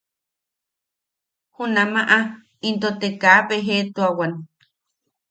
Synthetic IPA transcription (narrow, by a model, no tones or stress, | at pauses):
hunamaʔa | int̪ot̪ekaːpeɦet̪uawan